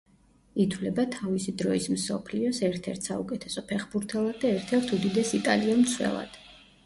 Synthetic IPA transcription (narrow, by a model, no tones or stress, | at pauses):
it̪ʰwlɛbat̪ʰavisid̪ɾɔismsɔ̰pʰliɔsɛɾt̪ʰɛɾt̪ʰsaukʼɛt̪ʰɛsɔpʰɛχbuɾt̪ʰɛlˠad̪̚ːaɛɾt̪ʰɛɾt̪ʰud̪id̪ɛsit̪ʼaliɔmt̪sʰwɛ̰lˠa̰d̪̥